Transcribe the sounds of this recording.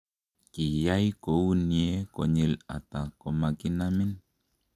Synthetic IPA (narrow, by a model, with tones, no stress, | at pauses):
ki˨ja˦jkou˦ni˨e˦ko˨ɲi˨la̰˨t̪ako˨maki˦nami˦n